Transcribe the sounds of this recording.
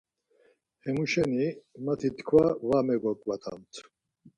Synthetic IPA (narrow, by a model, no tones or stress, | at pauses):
hɛmuʃɛnimat̪ʰit̪ʰkʰwavamɛɡɔkʼvat̪ʰa̰mt̪ʰ